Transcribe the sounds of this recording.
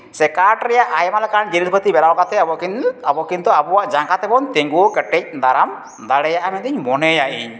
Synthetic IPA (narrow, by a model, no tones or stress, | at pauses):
sɛkaʈɾɛjaʔʔajɛmalakaɾaɳd͡ʒelid̪pət̪ibɛɾawkat̪ɛabɔʔkinabɔkint̪ɔabuwaʔd͡ʒaŋkat̪ɛbɔnt̪eŋɡukəʈɛc̚d̪aɾam | d̪aɽɛjaʔamɛnt̪iɲmɔnɛjaʔḭɲ